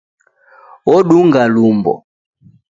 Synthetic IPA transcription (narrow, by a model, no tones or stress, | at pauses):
ɔɗuŋɡalumbɔ̰